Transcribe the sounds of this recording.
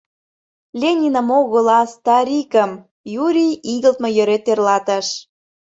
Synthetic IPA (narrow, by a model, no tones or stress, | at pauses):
lʲenʲinə̆moɣɤlɑst̪ɑɾʲikəm | juɾʲijiɣəlt̪mɤ̆jø̆ɾet̪ːerlɑt̪əʃ